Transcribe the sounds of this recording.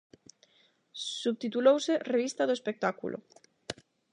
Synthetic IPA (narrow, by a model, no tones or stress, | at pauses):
suβt̪it̪ulowsereβ̞ist̪aðoespek̚t̪akṵlʔo̰